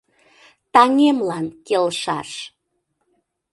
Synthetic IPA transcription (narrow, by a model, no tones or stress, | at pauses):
t̪ɑŋemlɑnkelʃɑʃ